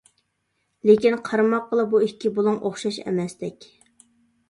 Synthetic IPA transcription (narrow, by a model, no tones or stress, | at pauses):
lekʲinqʰɑɾmɑqːəlˠɨbuikʲːɪbolˠuŋʔoχʃɑʃɛ̰mɛsd̪ɛkʲ